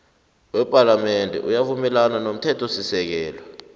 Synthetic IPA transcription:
wɛpʼalamɛndʱɛ̰ʔujavumɛlananom̩tʰɛtʰɔsisɛk̬ɛːlɔ

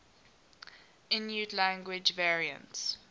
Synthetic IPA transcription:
ɪ̃njutlæ̃ŋɡwɪd͡ʒvɛɹiə̰̃nts

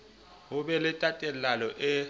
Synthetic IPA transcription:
uɓɛlɛtʼatʼɛlalɔʔɛ

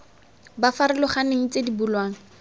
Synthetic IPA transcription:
bafaɾɪlɔχaneŋ̩t͡sedibulwaːŋ̩

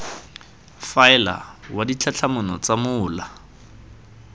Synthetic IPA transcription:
faɪla̰wadit͡ɬʰat͡ɬʰamʊnɔt͡samʊːla

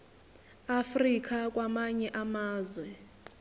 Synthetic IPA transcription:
afrik̬ʼak̬ʼwamaɲɛʔamaːzwɛ

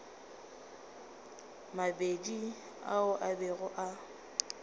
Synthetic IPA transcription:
mabedi | aʊʔabɛɣʊʔa

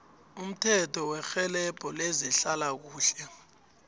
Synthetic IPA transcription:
um̩tʰɛtʰɔwɛxɛlɛb̥ʱɔlɛzɛɬalak̬uːɬɛ

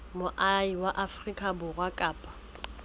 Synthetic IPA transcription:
mʊʔaiwaʔafrikʼabʊrwakʼaːpʼḁ

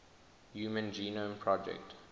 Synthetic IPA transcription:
juːmə̃nd͡ʒiːnə̃mpʰɹɔd͡ʒɛ̰k̚t

